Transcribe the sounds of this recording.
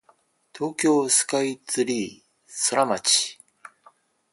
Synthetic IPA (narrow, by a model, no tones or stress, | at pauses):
t̪ʰo̞ːkʲo̞ːsɨ̥kait͡sɨɾʲiː | so̞ɾamat͡ɕi̥